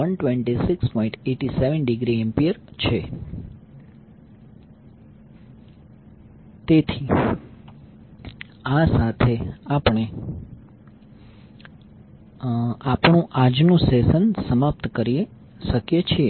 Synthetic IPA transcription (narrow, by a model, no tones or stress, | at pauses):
ənʈʋẽɳʈisikspɔĩɳʈeʈiseʋənɖiɡɾiempiəɾt͡ʃʰe | t̪et̪ʰi | asat̪ʰeapɳe | apɳũʔad͡ʒnũsesənsəmap̚t̪kəɾie | ʃəkjet͡ʃʰie